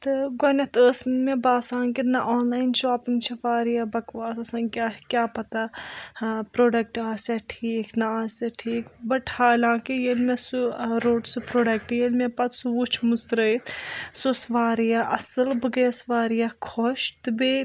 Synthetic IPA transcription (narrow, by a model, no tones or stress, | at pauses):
t̪ɨɡɐnɐt̪əːsmebaːsãːŋkinɐʔɔːnlaːint͡ʃoːpiŋɡt͡ʃʰɐʋaːɾijabɐkʋaːsɐsãːŋkʲakʲjaːpɐt̪a | pɾoːɖɐk̚ʈaːseʈʰiːknɐaːseʈʰiːkbɐʈʰhaːlãːkijelmesuɾoːʈsupɾoːɖɐk̚ʈjelmepɐt̪suut͡ʃʰmust̪ɾəit̪sosʋaːɾijaʔɐsɨlbɨɡeːsʋaːɾijakʰoʃt̪ɨbe